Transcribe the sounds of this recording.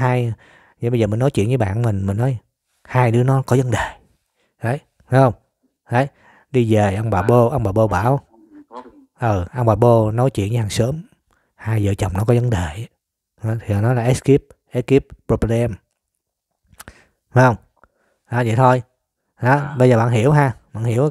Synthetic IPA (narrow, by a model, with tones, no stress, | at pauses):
ɦaː˧j | zə̰˨ɓə˧zəː˨˩mi˨˩ŋnɔ˨˦jt͡ɕwḭ˧˨ənɲvɨː˨˦ɓa̰ː˧˨nmï˨˩ŋ̟mi˨˩nnɔ˨˦j | haː˧jɗɨ˨˦ənɔ˨˦kɔ˨˦zə˨˦nɗe˨˩ | ʔə˨˦j | haː˨˦jhə˧wŋ͡m | hə˨˦j | ɗi˧ve˨˩ʔə˧wŋ͡mɓaː˨˩ɓo˧ʔə˧wŋ͡mɓaː˨˩ɓo˧ɓaː˧˩˨w | ʔəː˨˩ʔə˧wŋ͡mɓaː˨˩ɓo˧nɔ˨˦jt͡ɕwḭ˧˨ənɲə˨˦ha˨˩ŋsəː˨˦m | haː˧jzə̰˧˨t͡ɕə˨˩wŋ͡mnɔ˨˦kɔ˨˦zə˨˦nɗe˨˩˨ | ha˨˦t̪ʰi˨˩ə˨˩nɔ˨˦jlaː˨˩ʔɛ˦˥ski˦˥p̚ | ʔɛ˦˥ki˦˥p̚pɹo˧plɛ˧m | ha˨˦jhə˧wŋ͡m | haː˨˦zə̰˧˨jt̪ʰo˧j | a˨˦ɓə˧jzəː˨˩ɓaː˧˨nɦi˧˩əwɦaː˧ɓa̰ː˧˨nhi˧˩əw